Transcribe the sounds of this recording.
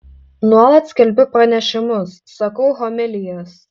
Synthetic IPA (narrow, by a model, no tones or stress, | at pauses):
nuɔlˠɐt̪sʲkʲɛlʲbʲʊpɾɐnʲɛʃʲɪmʊsːɐkɐʊɦɔmʲɪlʲɪjoːs